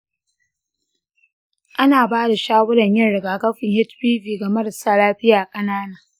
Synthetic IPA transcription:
ʔa˦naː˨baː˦da˨ʃaː˦wʊ˦ɽɐ˨ɲjɐ˦nɽɪ˨ɡaː˨ɡɐ˦ɸɪ˨ŋhɪ˦tbiː˦ɸiː˨ɡɐ˨mɐ˦ɾɐ˨saː˦laː˦ɸɪ˦jaː˨kʼɐ˦naː˦naː˨

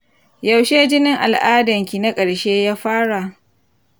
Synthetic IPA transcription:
jɐ˨wʃeː˦d͡ʒɪ˦nɪ˦ŋʔa̰˨lʔaː˦dɐ˨ŋkʲi˨na˦kʼɐ˨ɽʃeː˦jaː˦ɸaː˦ɽa˨ʔ

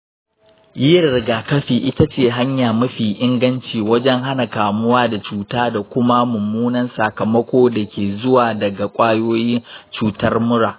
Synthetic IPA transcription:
jiː˦˨ɾɪ˨ɡaː˨kɐ˦ɸiː˨ʔɪ˦ta˦t͡ʃeː˦˨ɦa˦ɲjaː˨mʊ˦ɸiː˨ʔɪ˦ŋɡɐ˦nt͡ʃiː˨wɐ˦d͡ʒɛ˦ŋɦa˦na˨kaː˨mʊ˦waː˦da˨t͡ʃuː˦taː˦da˨kʷʊ˦ma˦mʊ˨mːuː˦nɐ˦nsa˨kɐ˨mɐ˦kʷoː˦da˨kʲeː˨zʊ˦waː˨dɐ˨ɡa˨kʷʼaː˦joː˦jɪ˦nt͡ʃuː˦tɐ˦rmʊ˦ɽaː˨

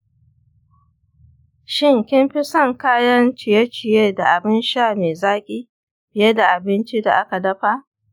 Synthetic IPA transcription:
ʃɪ˦˨ŋkʲɪ˦mɸɪ˦sɐ˦ŋkaː˦jɐ˦nt͡ʃɪ˨jɐ˦t͡ʃɪ˨jeː˦da˨ʔa˨bɪ˦nʃaː˦˨meː˨zaː˦kʲʼiː˦ | ɸɪ˨je˦da˨ʔa˨bɪ˦nt͡ʃi˦da̰˨ʔa˦ka˨dɐ˦ɸa˦ʔ

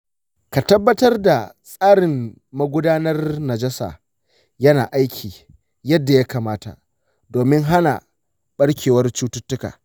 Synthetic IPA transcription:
ka˨tɐ˦bːɐ˦tɐ˦rda˨sʼaː˦ɽɪ˨m | mɐ˦ɡʷʊ˦daː˦nɐ˦rnɐ˨d͡ʒɐ˦sa̰ː˨ | jɐ˦naː˨ʔa˦jkʲʰiː˨ | jɐ˦dːa˨ja˦kaː˨maː˦ta̰˨ | doː˨mɪ˦ŋɦa˦na̰˨ | ɓɐ˦ɽkʲeː˨wɐ˦rt͡ʃuː˦tʊ˦tːʊ˦ka̰ː˨

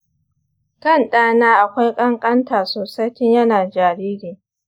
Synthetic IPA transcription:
kɐ˦˨nɗaː˦naː˦ʔa˨kʷa˦jkʼɐ˦ŋkʼɐ˦ntaː˨soː˨sa˦jtɪ˦ɲjɐ˦naː˨d͡ʒaː˨ɽiː˦ɾiː˨

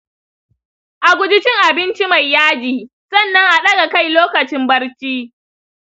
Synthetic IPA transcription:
ʔa˨ɡʷʊ˦d͡ʒɪ˦t͡ʃɪ˦ŋʔa˨bɪ˦nt͡ʃi˦ma˨jːaː˦d͡ʒiː˨ | sɐ˦˨nːɐ˦ŋʔa˨ɗɐ˦ɡa˨ka˦˨jloː˦kɐ˨t͡ʃɪ˦mbɐ˦ɽt͡ʃiː˦

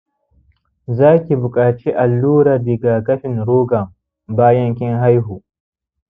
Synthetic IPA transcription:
zaː˦kʲi˨bʊ˨kʼaː˨t͡ʃi˦ʔa˨lːuː˦ɾaː˨dɪ˨ɡaː˨kɐ˦ɸɪ˨nɽoː˦ɡɐ˨ŋ | baː˦jɐ˦ŋkʲɪ˦ŋɦa˦jɦuː˨

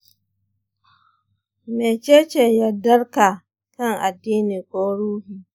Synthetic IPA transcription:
meː˨t͡ʃeː˦t͡ʃeː˨jɐ˨dɐ˦rka˨ | kɐ˦˨ŋʔa˨dːiː˦niː˨kʷʼoː˦ɽuː˦hiː˨

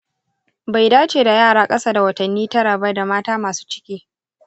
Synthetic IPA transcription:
ba˨jdaː˦t͡ʃeː˨da˨jaː˦˨ɽaː˦kʼɐ˦saː˦da˨wɐ˨tɐ˨nːiː˦tɐ˦ɽa˨bɐ˦rda˨maː˦taː˦maː˨su̥ː˦t͡ʃɪ̥˦kʲiː˦

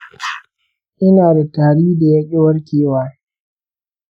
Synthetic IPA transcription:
ʔɪ˦naː˨da˨taː˨ɽiː˦da˨ja˦kʲʼɪ˦wɐ˦ɽkʲeː˨waː˦

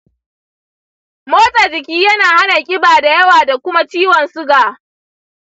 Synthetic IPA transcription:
moː˦tʼaː˨d͡ʒɪ˨kʲiː˦jɐ˦naː˨ha˦na˨kʲʼɪ˦baː˨da˨jɐ˦waː˨da˨kʷʊ˦ma˦t͡ʃiː˦wɔ˨nsʊ˦ɡaː˨

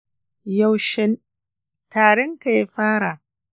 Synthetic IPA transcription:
ja˦˨wʃɪ˦n | taː˨ɽɛ˦ŋka˨ja˦ɸaː˦ɽa˨ʔ

